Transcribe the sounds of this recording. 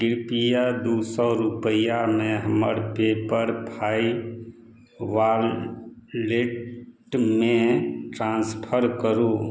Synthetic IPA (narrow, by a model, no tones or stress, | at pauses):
ɡɪɾpijad̪uːsɔɾupəjamẽɦəmə̰ɾpepəɾpʰaːi | ʋaːɾ | leʈʈmẽʈɾãːnspʰəɾkəɾũ